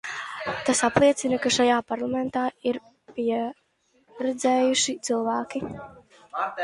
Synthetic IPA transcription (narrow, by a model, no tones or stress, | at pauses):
t̪asaplˠiɛt̪sinakaʃajaːpaɾlˠamɛnt̪aːiɾ | piɛ | ɾɛd̪zɛːjuʃit̪sɨlˠvæːkʲi